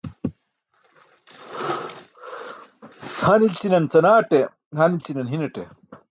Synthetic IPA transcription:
hɐnilt͡sinɐnt͡sɐnaːʈe | hɐnilt͡sinɐnɦinɐʈe

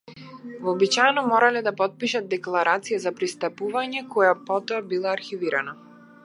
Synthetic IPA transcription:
vːbit͡ʃajɛnɔmɔɾalɛd̪apɔt̪̚piʃat̪̚d̪ɛklˠaɾat̪sijazapɾist̪apuvaɲɛkɔjapɔt̪ɔabilˠaːɾxiviɾana

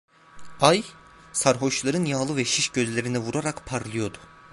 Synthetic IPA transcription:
aj | saɾɦo̞ʃlˠaɾɯnjaːlˠɯvɛʃiʃɟøzlʲe̞ɾinɛvuɾaɾakpʰaɾlˠɯjo̞d̪ʊ̥

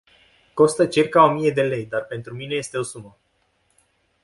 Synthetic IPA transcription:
ko̞st̪ət͡ʃirkao̞mije̞d̪e̞le̞jd̪arpe̞nt̪ɾumine̞je̞st̪e̞o̞sumə

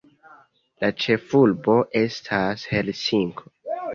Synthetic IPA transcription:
lat͡ʃe̞fulbo̞ʔe̞stʰashe̞lsiŋkʰo

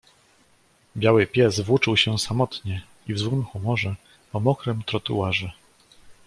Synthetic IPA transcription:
bʲjawɘpʲjɛsvwut͡ʂɘwɕɛsamɔt̪ɲɛ | ivzwɘmxumɔʐɛ | pɔmɔkɾɛmt̪ɾɔt̪uwaʐɛ

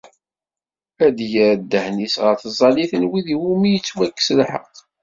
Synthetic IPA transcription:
æd̪jəɾd̪ːəhnisʁəɾθəzˤɑliθənwiðiwumijət͡sːwækːə̥səlħə̰qː

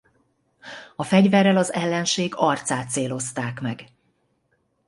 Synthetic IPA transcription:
ɒfɛɟvɛrːɛlɒzɛlːɛnʃeːɡɒrt̪saːt̪seːlo̞st̪aːkmɛɡ

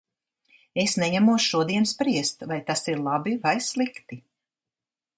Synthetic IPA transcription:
esnɛɲamuɔsʃuɔd̪iɛnspɾiɛst̪vajt̪asiɾlˠabivajslˠikt̪i

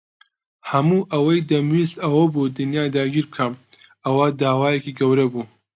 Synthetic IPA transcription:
hɐmuːʔɐwɐjd̪ɐmwist̪ɐwɐboːd̪ɨnjaːd̪aːɡʲiːɾb̚kʰam | ɐwad̪aːwaːjekiːɡɐwɾɐbuː

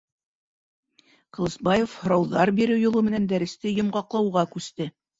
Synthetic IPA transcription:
qŏlˠɤ̆sbɑjefhŏɾɑwðɑɾbiɾɘwjŏlˠɤmɘ̆nænd̪æɾɘ̆st̪ɘjŏmʁɑqlˠɑwʁɑkʉst̪ɘ

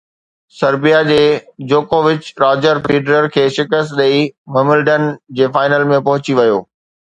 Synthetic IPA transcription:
sɐɾbijad͡ʑeːd͡ʑoːkoːʋɪt͡ɕɾaːd͡ʑəɾfɾiːɖɾəɾkʰeːʃɪkəst̪ɗɐimɐmɪlɖənd͡ʑeːfaːɪnəlmẽpɐɦʊt͡ɕiʋɐjoː

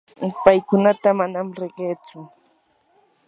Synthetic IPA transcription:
pajkʊnat̪amanamɾɪɢeːt͡sʊ

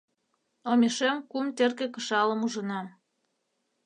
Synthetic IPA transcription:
omʲeʃemkumt̪erkĕkəʃɑləmuʒə̆nɑ

